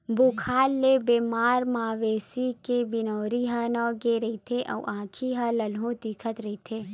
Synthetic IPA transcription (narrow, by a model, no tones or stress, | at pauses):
bukʰaːlːebeːmaːɾmaːʋeːsikebɪnɔːɾiɦanɔːɡeɾɐit̪ʰeʔɔ̰ːʔãːkʰiɦãlɐlɦõt̪iːkʰət̪ɾɐɦit̪ʰeː